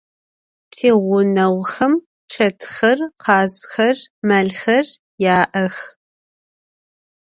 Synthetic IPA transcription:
tʰeːʁʷʊnɐwxɐm | ʃʰɐtʰxɐrqʰɑːzxɐrmɐɮxɐr | jaːʔɐx

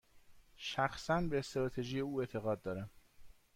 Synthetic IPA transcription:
ʃæxsænbe̞ːst̪ɾɒːt̪ʰeʒije̞uːe̞t̪ʰe̞ɣɒːd̪̚d̪ɒːɾæm

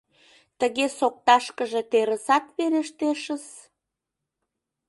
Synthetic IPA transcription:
t̪əɣesok̚t̪ɑʃkəʒe̽t̪eɾəsɑt̪βeɾəʃt̪eʃə̆z

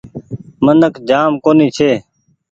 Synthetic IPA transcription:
mənəkd͡ʒaːmkoːniːt͡ʃʰeː

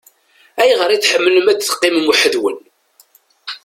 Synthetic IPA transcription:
æjʁəɾit͡sħəmːləmæt͡sːθə̥qːɪməmuħəðwə̰n

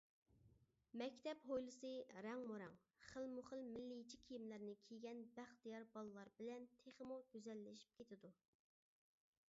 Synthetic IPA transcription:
mɛkʲt̪ʰɛpɦojlˠɨsɨɾɛŋmuɾɛŋ | χəlmuχəlmɪlːɪit͡ʃʰikʲʰijimlæɾnɪkʲʰijɡʲɛnbæχt̪ijɑɾbɑlˠɨlˠɑɾbɪlɛnt̪ʰeχəmuɡ̥ʲyzɛlːɪʃi̥p̚kʲʰet̪ʰɪd̪u

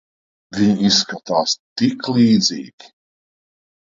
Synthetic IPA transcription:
vʲiɲisːkat̪aːst̪iklˠiːd̪ziːɡʲi̥

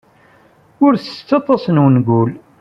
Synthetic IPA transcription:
ʊɾθə̥t͡sːɑt̪ˤːɑsnwənɡul

